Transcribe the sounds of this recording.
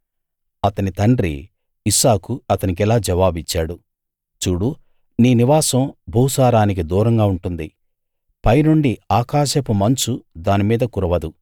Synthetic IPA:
ɐt̪ɐnit̪ɐɳɖɾḭː | saːkuɐt̪ɐnik̬ɛlaːd͡ʒɛʋaːbit͡ʃːaːɽu | t͡ʃuːɽu | niːniʋaːsɐmbʱuwsaːɾaːnik̬id̪uːɾɐŋɡaːuɳʈund̪i | pɐjnuɳɖiaːkaːʃɐpumɐnt͡ʃud̪aːnimiːd̪ɐkuɾɐʋɐd̪u

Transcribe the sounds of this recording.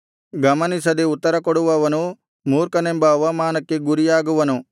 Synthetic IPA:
ɡɐmɐnisɐd̪eut̪ːɐɾɐkoɽuʋɐʋɐnu | muːɾkɐnembɐːʋɐmaːnɐkːeɡuɾijaːɡuʋɐnu

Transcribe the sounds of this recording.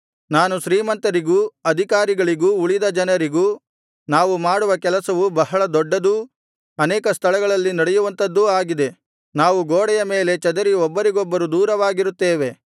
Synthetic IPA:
naːnuʃɾiːmɐnt̪ɐɾiɡuːɐd̪ʱikaːɾiɡɐɭiɡuːuɭid̪ɐd͡ʒɐnɐɾiɡuː | naːʋumaːɽuʋɐkɛlɐsɐʋubɐɦɐɭɐd̪ɔɖːɐd̪u | ɐnɛːkɐst̪ʰɐɭɐɡɐɭɐlːinɐɽɛjuʋɐnt̪ɐd̪ːuaːɡid̪e̞ | naːʋuɡoːɽɛjɐme̞ːle̞t͡ʃɐd̪ɐɾiɔbːɐɾiɡɔbːɐɾud̪uːɾɐʋaːɡiɾut̪ːeːʋe̞

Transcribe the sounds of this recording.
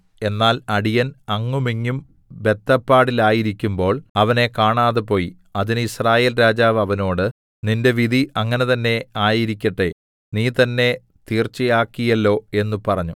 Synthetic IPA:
e̞nːaːlɐɽijɐnɐŋːumiŋːum | be̞t̪ːɐpːaːɽilaːjiɾikʲːumbo̞ːɭɐʋɐne̞kaːɳaːðɨpo̞ːji | ɐðinɨisraːjeːlɾaːd͡ʑaːʋɐʋɐno̞ːɽɨ | ninde̞ʋiðʱiɐŋːɐnet̪ɐnːe̞aːjiɾikʲːɐʈːe | niːt̪ɐnːe̞ | t̪iːrt͡ɕːijaːkːijɐlːo̞ːe̞nːupɐrɐɲːu

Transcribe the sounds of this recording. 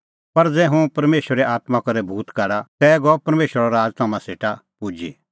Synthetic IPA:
pɐɾd͡zɛːɦũpɐɾmeːʃwəɾɛʔaːt̪makɐɾɛbʱuːt̪kaːɽat̪ɛːɡɔpɐɾmeːʃwəɾaɾaːd͡ʒt̪ʰaːmãseːʈapʊd͡ʒi

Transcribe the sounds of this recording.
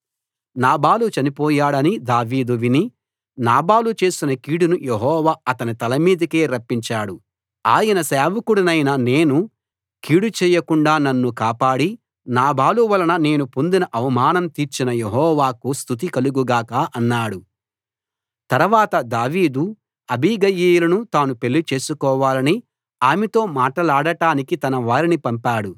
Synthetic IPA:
naːbaːlut͡ʃɐnipɔːjaːɽɐnid̪aːʋiːd̪uʋini | naːbaːlut͡ʃe̞ːsinɐkiːɽunujeɦɔːʋaːɐt̪ɐnit̪ɐlɐmiːd̪ɐkeːɾɐpːiɲt͡ʃaːɽu | aːjɐnɐsaːʋɐkuɽɐnɐjnɐne̞ːnu | kiːɽut͡ʃɛːjɐkuɳɖaːnɐnːukaːpaːɽi | naːbʱaːluʋɐlɐnɐne̞ːnupo̞nd̪inɐʔɐʋɐmaːnɐmt̪iːɾt͡ʃinɐjeɦɔːʋaːkust̪ʰut̪̬ikɐluɡuɡaːkaːʔɐnːaːɽu | t̪ɐɾʋaːt̪ɐd̪aːʋiːd̪u | ɐbʱiːɡɐjiːjulɐnut̪aːnupelːit͡ʃe̞ːsukɔːʋaːlɐni | aːmɛt̪o̞ːmaːʈɐlaːɽɐʈaːnikit̪ɐnɐʋaːɾinipɐmpaːɽu

